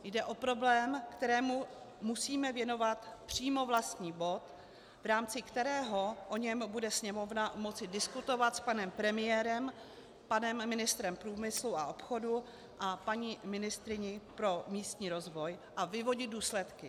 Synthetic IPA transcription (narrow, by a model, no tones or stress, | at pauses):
jdɛʔo̞pɾo̞blɛːmkt̪ɛɾɛːmu | musiːmɛvjɛno̞vat̪pr̝̥iːmo̞vlast̪ɲiːbo̞t̪ | vɾaːmt͡sɪkt̪ɛɾɛːɦo̞ʔo̞ɲɛmbudɛsɲɛmo̞vnamo̞t͡sɪdɪskut̪o̞vat̪spanɛmpɾɛmɪjɛːɾɛm | panɛmːɪnɪst̪ɾɛmpɾuːmɪsluaʔo̞pxo̞du | ʔapaɲimɪnɪst̪ɾɪɲɪpɾo̞miːst̪ɲiːɾo̞zvo̞jʔavɪvo̞ɟɪd̪̚duːslɛt̪kɪ